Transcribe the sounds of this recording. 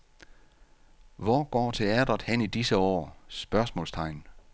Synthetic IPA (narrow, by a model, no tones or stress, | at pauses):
ʋɒːɡ̥ɒ̰ːt͡sʰe̝æd̥ɐð̩ˠhenid̥isəɒ̰ːsb̥ɶɐsmɔ̽ːlst͡sʰɑ̈ɪ̰n